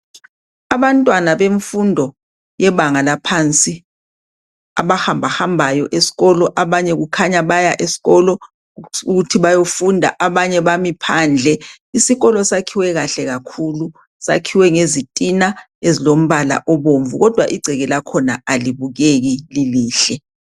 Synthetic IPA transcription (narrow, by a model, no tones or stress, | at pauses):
aβantʼwanaβeɱfundʱɔ | jɛβaŋalapʰant͡sʼi | aβahambʱahambʱajɔʔesi̥ɣɔlɔʔaβaɲɛɣukʰaɲaβajaʔesi̥ɣɔlɔ | uɣutʰiβajofundʱa̰ʔaβaɲɛβamipʰand͡ɮʱɛ | isiɣɔlɔsakʰiwɛɣaɬɛɣakʰulu | sa̰kʰiwɛŋezitʼina | ezilom̩βala̰ʔɔβoɱvuɣɔd̥ʱwaʔiɡ͡ǀʱɛɣɛlakʰɔnaaliβuɣeɣililiːɬɛ